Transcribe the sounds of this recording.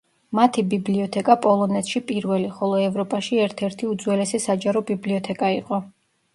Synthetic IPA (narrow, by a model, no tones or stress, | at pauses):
mat̪ʰibibliɔt̪ʰɛkʼapʼɔlˠɔnɛt̪ʰʃipʼiɾvɛliχɔlˠɔɛvɾɔpʼaʃiɛɾt̪ʰɛɾt̪ʰiud̪zwɛlɛsɛsad͡ʒaɾɔbibliɔt̪ʰɛkʼaiqʼɔ